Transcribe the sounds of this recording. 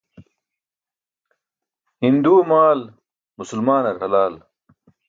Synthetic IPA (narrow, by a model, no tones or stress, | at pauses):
hind̪uːmaːl | musulmaːnɐɾhɐlaːl